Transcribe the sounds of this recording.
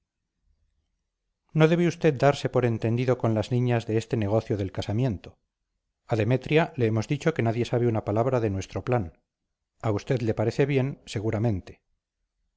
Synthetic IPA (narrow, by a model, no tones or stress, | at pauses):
no̞ðeβeust̪e̞t̪̚d̪aɾse̞po̞ɾe̞nt̪e̞nd̪iðo̞ko̞nlaznĩɲazðe̞est̪e̞ne̞ɣ̞o̞θjo̞ðe̞lkasamje̞nt̪o̞ | aðe̞me̞t̪ɾjale̞emo̞zðit͡ʃo̞ke̞naðje̞saβeunapalaβɾaðe̞nwe̞st̪ɾo̞plan | aust̪e̞ðle̞paɾe̞θe̞βje̞nse̞ɣ̞uɾamẽ̞nt̪e̞̥